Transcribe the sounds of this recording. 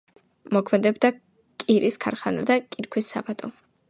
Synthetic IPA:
mɔkʰmɛd̪ɛbd̪a | kʼiɾʔiskʰaɾχanad̪akʼiɾkʰwisːa̰bat̪ʼɔ

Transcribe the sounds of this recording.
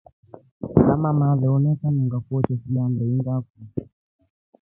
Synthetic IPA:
kamamaðɛɔnɛkaɲɔŋɡafuɔt͡ʃɔsiɗambɛiŋɡaku

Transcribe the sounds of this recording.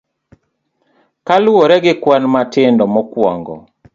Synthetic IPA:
kalwoɾɛɡɪkwanmatɪndɔmɔkwɔ̰ŋɡɔ̰

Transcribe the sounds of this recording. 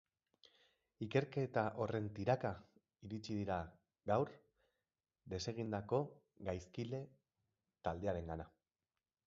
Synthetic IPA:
ike̞ɾke̞t̪aʔo̞re̞nt̪iɾaka | iɾit͡ʃiðiɾa | ɡawɾ | d̪e̞se̞ɣ̞ind̪ako̞ | ɡajskile̞ | t̪ald̪e̞aɾe̞ŋɡana

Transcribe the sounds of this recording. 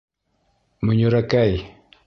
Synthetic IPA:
məɲuɾakaj

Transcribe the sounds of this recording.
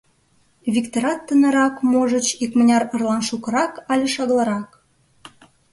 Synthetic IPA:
βʲikt̪oɾɑt̪ːənə̆ɾɑkmoʒət͡ɕikmə̆nʲɑrə̆rlɑnʃukə̆ɾɑkɑlʲeʃɑɣlˠɑɾɑk

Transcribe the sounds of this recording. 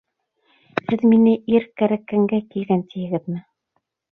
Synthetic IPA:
hɘðminɘiɾkæɾækæŋɡækilɡænt̪ʰĭjɘ̆ɡɘðmɘ

